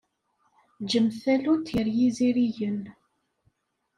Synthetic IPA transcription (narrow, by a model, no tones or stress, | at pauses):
d͡ʒəmθælut̪jəɾjiziɾiʝən